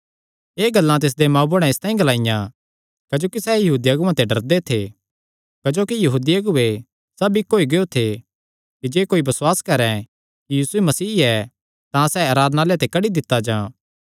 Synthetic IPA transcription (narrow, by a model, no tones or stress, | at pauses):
eːɡɐlːãt̪̬ɪs̬d̪emãːboɽ̃ɛ̃ɪst̪ãːĩɡɐlaːɪjã | kɐd͡ʒoːkisɛːjɐɦuːd̪iɐɡʊãt̪eɖɐɾd̪et̪ʰe | kɐd͡ʒoːkijɐɦuːd̪iɐɡʊe | sɐbikːoːiɡeot̪ʰe | kid͡ʒeːkoːibɐswaːskɐɾɛ̃ | kijiːsuemɐsiːɛ | t̪ãsɛaːɾaːd̪naːlet̪ekɐɽid̪ɪt̪ːad͡ʒãː